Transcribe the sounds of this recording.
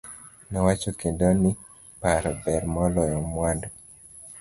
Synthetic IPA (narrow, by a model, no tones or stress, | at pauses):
nɛwat͡ʃokendɔni | paɾɔbɛɾmɔlɔjɔmwandɔ